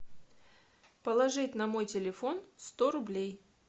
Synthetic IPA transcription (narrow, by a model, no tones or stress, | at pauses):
pəlˠɐʐɨtʲnɐmo̞jtʲɪlʲɪfo̞nst̪o̞ɾʊblʲej